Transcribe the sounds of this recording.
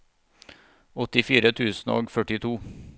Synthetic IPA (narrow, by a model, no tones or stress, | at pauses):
ɔt̪ɪfiːɾət̪ʰʉːsn̩o̰ːɡfœʈɪt̪ʰuː